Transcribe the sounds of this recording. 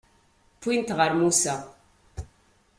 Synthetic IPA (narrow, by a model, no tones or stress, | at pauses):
pint̪ʁəɾmusa